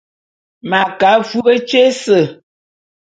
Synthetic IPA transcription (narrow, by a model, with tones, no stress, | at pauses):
ma˨ka˨˦fu˦bə˦t͡ʃe˦sə˨